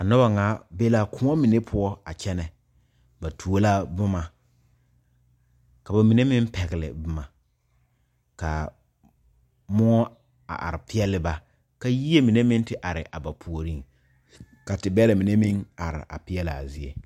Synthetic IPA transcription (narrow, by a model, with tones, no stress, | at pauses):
a˨nʊ˦ba˨ŋaː˨˦be˦la˦kʊ˦ŋɔ˦mi˨ne˦pʰʊ˦ɔ˦a˨t͡ʃɛ˦nɛ˨ | ba˨tʰu˨o˦la˦bʊ˦ma˨ | ka˨ba˨mi˨ne˦mɪ˦m˦pɛ˨ɣɪ˨lɪ̰˨bʊ˦ma˨ | ka˨ | mʊ˦ŋɔ˦ | a̰˨ʔa̰˨ɾɪ˨pɪ˦ɛ˦lɪ˦ba˨ | ka˦ji˦e˦mi˨ne˦mɪ˦n˦tɪ˨ʔa˨ɾɪ˨ʔa˨ba˨pʰu˨o˨ɾi˦ŋ | ka˨tɪ˨bɛ˦la˨mi˨ne˦mɪ˦ŋa˨ɾɪ̰˨ʔa̰˨pɪ˦ɛ˦lɪ˨a˨zɪ˦ḛ˨